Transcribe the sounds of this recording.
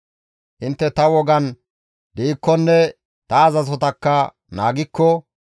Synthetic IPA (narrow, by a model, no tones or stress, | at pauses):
ʔɪnt̪ːɛt̪ɐwɔɡɐn | d̪iɪkːɔnːɛ | t̪ɐːzɐs̬ɔt̪ɐkːɐ | na̰ːɡɪkːɔ